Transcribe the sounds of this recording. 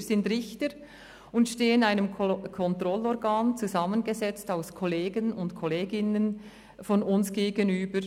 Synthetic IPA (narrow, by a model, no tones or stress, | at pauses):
zɪndɾɪçtəɾ | ʊntʃteːənaɪnəmkʰɔntrɔlɔɾɡaːnt͡suzɑmənɡezɛt͡staʊskʰɔleːɡənʊntkʰɔleːɡɪnən | fɔnʊnsɡ̥eːɡənyːbəɾ